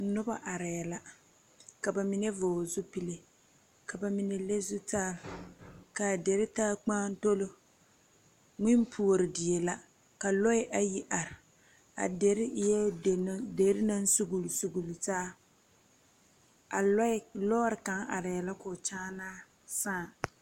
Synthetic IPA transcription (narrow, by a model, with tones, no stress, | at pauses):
nʊ˦ba˦ʔa˨ɾɪ˨jɛ˨la˦ | ka˨ba˨mi˨ne˦voː˨zʊ˦pi˦le˦˨ | ka˨ba˨mi˨ne˨le˦zʊ˦taː˦ɾka˨de˨ɾɪ˦taː˦k͡paː˦n˦to˦lo˦ | ŋɪ˦mpʰu˦o˨ɾɪ˨dɪ˨je˨la˦ | ka˨lɔ˦ɪ˦ʔa˦ji˦ʔa˨ɾɪ˨ | a̰˨de˨ɾɪ˦jɛ˦˨˦de˨˦ɾɪ˦na˦n˦su˦ɡu˨lsu˨ɡu˨lu˨taː˦ | a˨lɔ˦lɔː˦ɾɪ˨ka˨˦ŋa˨ɾɪ˨jɛ˨la˦kʊ˨t͡ʃaː˦naː˦ | saː˦˨